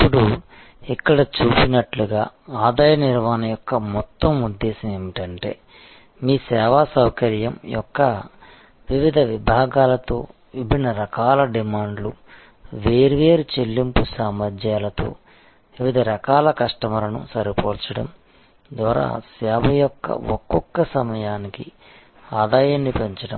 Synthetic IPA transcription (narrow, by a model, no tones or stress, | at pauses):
ipːuɽu | ikːɐɽɐt͡ʃuːpinɐʈluɡaːaːd̪aːjɐniɾmaːnɐjɔkːɐmɔt̪ːɐmud̪ːɛːsɐmeːmiʈɐɳʈe̞̰ː | miːsɛːʋaːsɐwkɐɾjɐmjɔ̰kːɐ | ʋiʋid̪ʱɐʋibʱaːɡaːlɐt̪o̰ː | ibinɐɾɐkaːlɐɖimaːɳɖlu | ʋeːɾiʋeːɾut͡ʃelːimpusaːmɐɾd͡ʒaːlɐt̪o̰ː | ʋiʋid̪ʱɐɾɐkaːlɐkɐʂʈɐmɐlɐnṵsɐɾipoːɾt͡ʃɐɽɐm | d̪ʋaːɾa̰ːsɛːbɐjɔkːɐ̰ɔkːɔkːɐsɐmɐjaːniki | aːd̪aːjanːipeɲt͡ʃɐɽɐm